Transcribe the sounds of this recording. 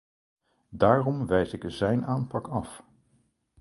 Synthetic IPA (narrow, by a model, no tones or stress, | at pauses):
daːrɔmʋɛjsɪkzɛjnaːnpɑkɑf